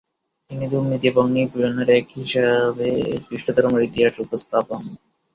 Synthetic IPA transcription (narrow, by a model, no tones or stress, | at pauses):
inid̪umnit̪iboŋnibionaɾɛkɦiʃebesbɾiʃʈod̪ɔɾomoɾit̪iɦaʃeupost̪ʰapon